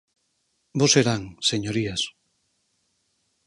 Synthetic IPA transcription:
boseɾaŋseɲoɾias

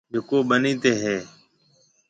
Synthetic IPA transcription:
d͡ʒʱʊkoːɓəniːt̪eːɦeː

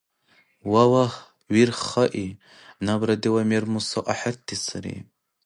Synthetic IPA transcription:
wawah | wirχaʔi | nabɾadiwamermusaʔaħart̪ʰːisaɾḛ

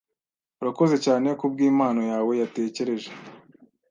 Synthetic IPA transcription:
uɾako̞ze̞caːne̞kubɡiːmaːnojaːwe̞jate̞ːce̞ɾe̞ʒe

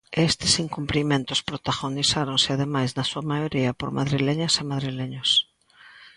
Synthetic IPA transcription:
est̪ɪsiŋkumplimẽnt̪ʊspɾot̪aɣonisaɾoŋsɪaðemajznɐsuɐmajoɾiɐpo̰ɾma̰ðɾileɲɐsemaðɾileɲos

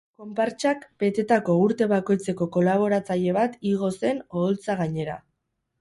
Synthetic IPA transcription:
ko̞mpaɾt͡ʃakbe̞t̪e̞t̪ako̞uɾt̪e̞βako̞jt͡se̞ko̞ko̞laβ̞o̞ɾat͡saʎe̞β̞at̪iɣo̞se̞no̞ðolt͡saɣ̞aɲe̞ɾa̰

